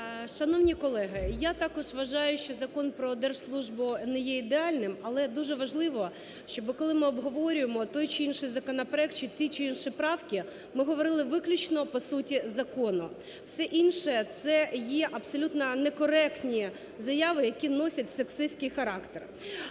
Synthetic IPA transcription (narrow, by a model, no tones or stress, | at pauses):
ʃɐnɔwnʲikɔlˠɛɦɪjat̪ɑkɔʒʋɐʒɑjʊʃt͡ʃɔzɐkɔnpɾɔd̪ɛrʒslˠuʒbʊnɛjɛid̪eɑlʲnɪmɐlˠɛd̪uʒɛʋɐʒlˠɪʋɔ | ʃt͡ʃɔbɪkɔlˠɪmɪɔbɦɔʋɔɾʲʊjemɔt̪ɔjt͡ʃɪinʃɪjzɐkɔnɐpɾɛk̚t̚t͡ʃɪt̪ʲit͡ʃɪinʃɪpɾɑwkʲɪ | mɪɦɔʋɔɾɪlˠɪʋɪklʲʊt͡ʃnɔpɔsutʲizɐkɔnʊ | wsɛʔinʃɛt̪sɛjɛʔɐpsɔlʲut̪nɐnɛkɔɾɛktnʲi | zɐjɑʋɪjɐkʲinɔsʲɐtʲseksɪsʲkɪjxɐɾɑkt̪er